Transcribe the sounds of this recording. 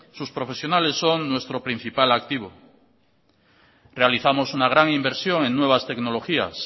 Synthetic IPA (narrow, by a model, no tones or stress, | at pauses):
suspɾo̞fesjo̞nale̞sːo̞ŋnwe̞st̪ɾopɾin̟θipalak̚t̪iβ̞o̞ | re̞aliθamo̞sunaɣ̞ɾaŋimbeɾsjo̞ŋẽ̞ŋnwe̞βast̪ekno̞lo̞xia̰s